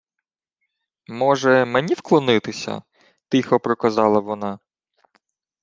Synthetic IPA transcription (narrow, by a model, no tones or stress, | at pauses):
mɔʒɛmenʲiwklˠɔnɪt̪ɪsʲɐ̰ | t̪ɪxɔpɾɔkɐzɑlˠɐʋɔnɑ